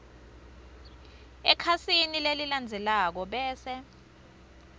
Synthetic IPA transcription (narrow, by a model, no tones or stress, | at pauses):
ɛkʰasinileliland͡zʱɛlak̬ɔɓɛːsɛ